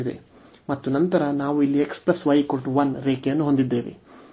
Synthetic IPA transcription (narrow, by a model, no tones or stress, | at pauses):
id̪ḛ | mɐt̪ːunɐnt̪ɐɾɐnaːʋuilːiekspɾesʋɐjkoɭʈuʋɐnɾeːkejɐnːuɦo̞nd̪id̪ːe̞ːʋḭ